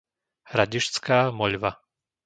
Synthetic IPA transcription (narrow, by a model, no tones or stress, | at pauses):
hɾaɟiʃt͡skaːmɔʎʋa